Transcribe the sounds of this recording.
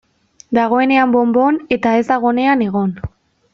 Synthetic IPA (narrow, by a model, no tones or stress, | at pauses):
d̪aɣ̞o̞e̞ne̞ambo̞mbo̞ne̞t̪ae̞zd̪aɣ̞o̞ne̞ane̞ɣ̞o̞n